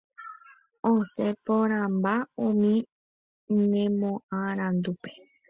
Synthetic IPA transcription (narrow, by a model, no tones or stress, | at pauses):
õsepoɾ̃ãmbaõmĩ | nẽmõʔãɾ̃ãnd̪upe